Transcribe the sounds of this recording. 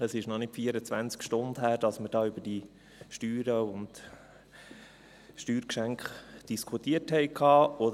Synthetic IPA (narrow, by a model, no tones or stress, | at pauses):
əsɪʃnɔnɪtfiːəɾət͡sʋænt͡skʃtʊndhæːɾd̥ɑsməɾd̥ɑːybəd̥i | ʃtyːɾəʊnd̥ | ʃtyːɾkʃæŋkχd̥iskʰχutiəthɛɪkʰːɑːɔd